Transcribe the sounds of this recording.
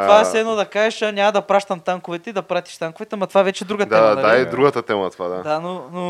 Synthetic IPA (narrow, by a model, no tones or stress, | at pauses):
t̪ovasɛd̪nod̪ɐkaʒɛʃɐnʲamɐd̪ɐpɾaʃt̪ɐmt̪aŋkʊvɛt̪ɛid̪ɐpɾat̪i̥ʃt̪aŋkovɛt̪ɛmɐt̪ovaɛvɛt͡ʃɛːd̪ɾuɡəd̪ɛmɐad̪ɐaɛd̪ɾuɡɐt̪ɐt̪ɛmɐt̪ovad̪ad̪anono